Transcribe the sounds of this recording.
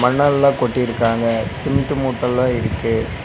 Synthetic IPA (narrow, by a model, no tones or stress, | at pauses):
mɐnːallãːkɔʈːɪɾɯkːaːŋɡɐsɪmt̪ɯmuːʈːɐlːãːɪɾɯkːɯ